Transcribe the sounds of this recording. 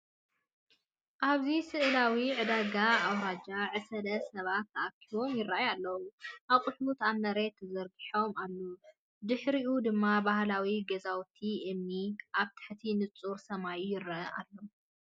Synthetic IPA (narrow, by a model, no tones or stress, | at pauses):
ʔaβzisɨʔlawiʕɨd̪aɡaːwɾad͡ʒaʕɨsɐd̪ɐsɐβat̪ːɐʔakʰiβo̞mjɪrːaʔjalːɐwuʔaβkʼʊħut̪amnɐɾet̪ʰɐzɐɾɡiħo̞malːu | d̪ɨħɾiʔud̪ɨmːabahlawiɡɐzawt̪ʰiʔɨmniʔaβt̪ʰɨ̥ħt̪ʰinɨt͡sʼuɾsɐmajjɪrːaʔɐʔalːo